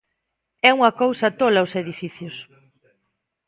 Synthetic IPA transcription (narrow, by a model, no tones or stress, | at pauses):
ɛuŋɐkowsɐt̪olɐʊseðifiθjʊs